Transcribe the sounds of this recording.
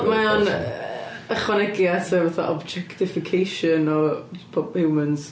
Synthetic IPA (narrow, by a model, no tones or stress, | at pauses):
maɔn | əχwanɛɡjatʰəvaθa̰ʔɔbd͡ʒɛktɪfɪkʰejʃənɔpʰɔbhɪwmənz̥